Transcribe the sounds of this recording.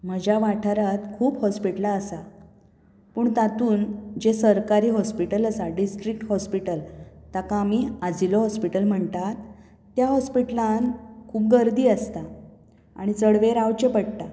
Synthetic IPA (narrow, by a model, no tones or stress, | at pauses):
m̤əd͡ʑaʋaʈʰaɾat̪kʰuːpɦɔspiʈlaəsa | pəːɳt̪at̪uːnd͡ʑesəɾkaɾiːɦɔspiʈələsaɖisʈɾik̚ʈhɔspiʈəlt̪akamiːad͡ʑilɔɦɔspiʈəlm̤əɳt̪at̪ː | jaɦɔspiʈlãnkʰuːp̚ɡəɾd̪iːəst̪a | a̰ɽ̃it͡səɽʋeɾawt͡ɕepəɽt̪a